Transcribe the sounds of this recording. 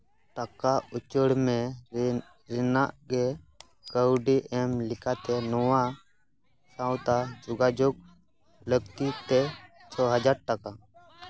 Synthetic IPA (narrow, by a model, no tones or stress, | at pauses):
ʈəkaʊt͡ʃəɽmɛ̃ | ɾɪnaʔɡɛ | ɡəwɖiʔɛmlɪkat̪ɛnɔwa | sawt̪ad͡ʒʊɡad͡ʒʊɡ̚ | ləɡt̪it̪ɛ | t͡ʃʰɔɦəd͡ʒaɾʈəka